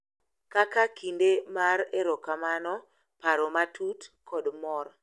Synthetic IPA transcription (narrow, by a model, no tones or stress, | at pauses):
kakakindemaɾeɾɔkamanɔ | paɾɔmatʰutkʰɔdmɔr